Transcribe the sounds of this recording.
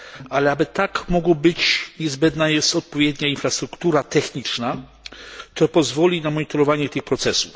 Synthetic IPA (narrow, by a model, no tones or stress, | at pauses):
alɛabɘt̪akmɔɡwɔbɘt͡ɕɲɛzbɛnd̪najɛst̪ɔt̪̚pɔvʲjɛd̪ɲainfɾast̪ɾukt̪uɾat̪ɛxɲit͡ʂna | t̪ɔpɔzvɔlʲinamɔɲit̪ɔɾɔvaɲɛt̪ɘxpɾɔt̪sɛsuf